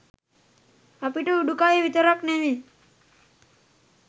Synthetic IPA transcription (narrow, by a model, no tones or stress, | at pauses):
apiʈuɖukaeʋit̪əɾəkneʋi